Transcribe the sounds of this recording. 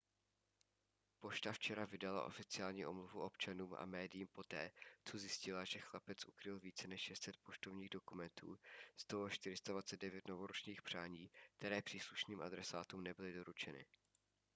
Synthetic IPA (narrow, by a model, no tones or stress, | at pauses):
po̞ʃt̪aft͡ʃɛɾavɪdala̰ʔo̞̰fɪt͡sɪaːlɲiːʔomluvuʔo̞pt͡ʃanuːmʔa̰mɛːdɪjiːmpo̞t̪ɛ̰ːt͡so̞zjɪscɪlaʒɛxlapɛt͡sʔukɾɪlviːt͡sɛnɛʃʃɛst̪sɛt̪̚po̞ʃt̪ovɲiːɣdo̞kumɛnt̪ṵːst̪oɦoʃt̪ɪɾɪst̪advat͡sɛt̪̚dɛvjɛt̪no̞voɾot͡ʃɲiːxpr̥aːɲiːk̚t̪ɛɾɛːpr̝̥iːsluʃniːmʔa̰d̪ɾɛsaːt̪umnɛbɪlɪdo̞ɾut͡ʃɛnɪ̰